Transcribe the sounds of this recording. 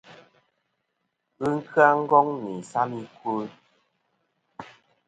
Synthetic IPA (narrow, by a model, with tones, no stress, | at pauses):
ɨ˦ŋ̩˦kʰɰa˦ŋ̩˦ɡɔ˦ŋni˨sa˦mi˦kwə˦